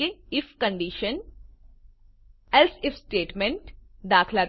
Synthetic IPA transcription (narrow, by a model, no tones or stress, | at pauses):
eɪfkə̃ɳɖiːʃən | ɛlsɪfsʈeːʈmẽɳʈd̪aːkʰla